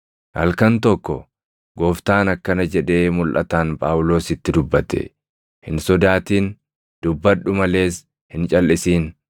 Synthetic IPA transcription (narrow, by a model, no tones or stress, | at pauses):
hɐ̰lkɐnt̪ɔkːɔ | ɡo̞ːft̪aːnɐkːɐnɐd͡ʒɛᶑe̞ːmʊlʔɐ̰t̪aːnpʼaːwlo̞ːsɪt̪ːɪd̪ʊbːɐt̪ɛ̰ | hɪnsɔd̪aːt̪iːn | d̪̥ʊbːɐᶑʊmɐle̞ːs | hɪnt͡ʃʼɐlʔɪsiːn